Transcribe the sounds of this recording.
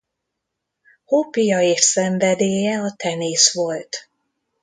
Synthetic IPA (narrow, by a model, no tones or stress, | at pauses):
hopijɒeːʃsɛɱvɛd̪eːjɛɒt̪ɛneːsʋo̞lt̪